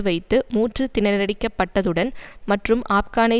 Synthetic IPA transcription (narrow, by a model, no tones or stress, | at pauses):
ɯʋɐɪt̪ːɯmuːʈrɯt̪ɪnɐɾɐɽɪkːɐpːɐʈːɐðɯɽɐnmɐʈrɯmʔaːpkaːnɐɪ